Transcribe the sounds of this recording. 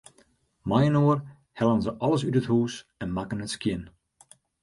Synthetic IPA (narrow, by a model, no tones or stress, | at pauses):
majənoər | hɛlˠənzəʔɑləsytəthuːsɛnmakənətskjɪn